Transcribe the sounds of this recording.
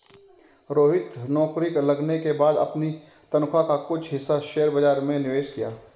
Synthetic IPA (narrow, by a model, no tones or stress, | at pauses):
ɾoːɦɪt̪nɔːkɾɪklɐɡnekebaːd̪ɐ̰pni | t̪ɐnkʰakakʊt͡ʃʰɦɪsːaʃeːəɾbɐd͡ʒaːɾmẽnɪʋeːʃkijaː